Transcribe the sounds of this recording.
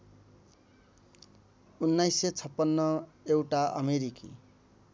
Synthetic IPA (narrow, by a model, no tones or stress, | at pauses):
unːajsːet͡sʰʌpːʌnːʌewʈaʔʌ̰meɾikḭ